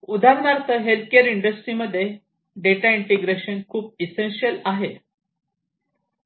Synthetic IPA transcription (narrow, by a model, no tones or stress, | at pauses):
ud̪aɾnaɾt̪əɦelt̪̚ʰkeɾiɳɖəsʈɾiməd̪ʱːje | ɖeʈaiɳʈeɡɾeɕənkʰuːp̚isenɕiəlaɦe